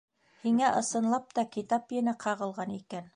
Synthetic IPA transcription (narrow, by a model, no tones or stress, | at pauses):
hiŋæʔɤ̆sɤ̆nlˠɑp̚t̪ɑkit̪ɑpjɘ̆næqʰɑʁɤ̆lˠʁɑnikæn